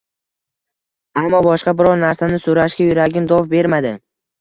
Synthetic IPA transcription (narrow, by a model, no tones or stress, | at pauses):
amːɒbɒʃqɑbɪɾɒɾnaɾsanɪsoɾaʃkʲajʊɾaɡʲɪnd̪ɒfbe̞ɾmad̪ɪ